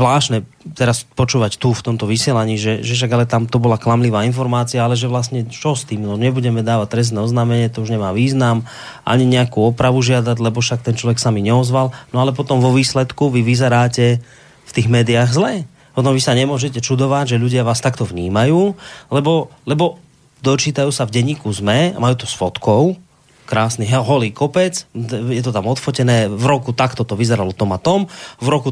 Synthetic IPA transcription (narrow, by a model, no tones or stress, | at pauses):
zlaːʃnɛ | t̪ɛɾaspɔt͡ʃuːʋact̪uft̪ɔmt̪ɔʋisɪɛlaɲiːʒɛʒɛfʃ̬aɡalɛt̪amt̪ɔbɔlaklamliʋaːinfɔɾmaːt͡siaalɛʒɛʋlasɲɛt͡ʃɔst̪iːmnɔɲɛbuɟɛmɛd̪aːʋac̚t̪ɾɛs̬nɛɔznamɛɲɪɛt̪ɔuʒɲɛmaːʋiːznam | ʔa̰ɲiɲɛakuɔpɾaʋuʒɪad̪aɟlɛbɔʃak̚t̪ɛnt͡ʃlɔʋɛksamiɲɛɔzʋalnɔalɛp̬ɔt̪ɔmʋɔʋiːslɛt̪kuʋiʋizɛɾaːcɛ | ft̪iːɣmɛːd̪iaɣzlɛ | pɔt̪ɔmʋisaɲɛmʊɔʒɛcɛt͡ʃud̪ɔʋaɟʒɛʎuɟɪaʋaːst̪akt̪ɔvɲḭːmajuːlɛbɔlɛbɔ | d̪ɔt͡ʃiːt̪ajuːsavɟɛɲiːkuzmɛa̰majuːt̪ɔsfɔt̪kɔʊ | kɾaːsniɦɛɦɔliːkɔpɛt͡sjɛt̪ɔt̪amɔt̪fɔcɛnɛːvɾɔkut̪akt̪ɔt̪ɔʋizɛɾalɔt̪ɔmat̪ɔmvɾɔku